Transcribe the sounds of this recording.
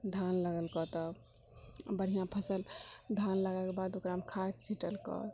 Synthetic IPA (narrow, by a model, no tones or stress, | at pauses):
d̪ʱanləɡəlkɔt̪ɔ | bəɽ̤ijãpʰəsəld̪ʱanləɡakebad̪okɾamkʰat̪̚t͡ʃʰiʈəlkɔ̰